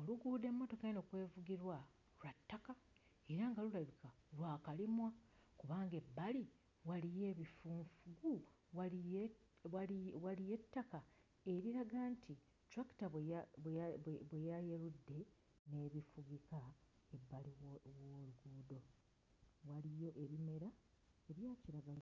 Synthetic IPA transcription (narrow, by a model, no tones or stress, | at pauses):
o̞luɡuːde̞mːo̞to̞kajenokwe̞ːvuɡiɾwa | latːaka | e̞ɾaŋɡalulaβika | lwaːkalimwakuβaːŋɡe̞bːali | walije̞ːβifuːɱfuɡu | wa | awalije̞tːaka | e̞ɾiɾaɡantʰi | tɾaki̥tae | βwejajeɾudːe̞ | ne̞ːβifuɡikaebːaliwoluɡuːdo̞ | walijo̞ʔe̞βime̞ɾa | eβjaːciɾaɡala